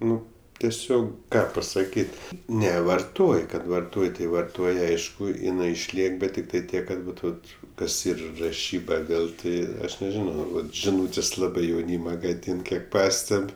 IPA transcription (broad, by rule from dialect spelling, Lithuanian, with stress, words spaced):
ˈnʊ tʲɛˈsʲoːk ˈkɑː pɐsɐˈkʲiːtʲ ˈnʲɛ ʋɐrˈtoːj kɐt ʋɐrˈtoːj tʲɪ ʋɐrˈtoːj ˈɐɪʃkʊ ɪˈnɐɪ ɪʃʲˈlʲiɛk ˈbʲɛt tʲɪkˈtɐɪ ˈtʲiɛk kɐt ˈʋɐt ˈʋɐt ˈkɐs ˈiːr rɐˈʃʲiːbɐ ˈʋʲeːlˠ ˈtʲɪ ˈɐʃ nʲɛˈʒʲɪnɐʊ ˈʋɐt ʒʲɪˈnuːtʲeːsʲ ˈlˠɑːbɜ jɛʊˈnʲiːmɐ ɡɐˈdʲiːn ˈkʲiɛk ˈpɑːsʲtʲɛpʲ